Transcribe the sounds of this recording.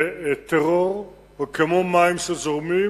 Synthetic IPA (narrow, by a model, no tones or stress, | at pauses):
t̪eʁoʁ | kemomaimʃezoʁmi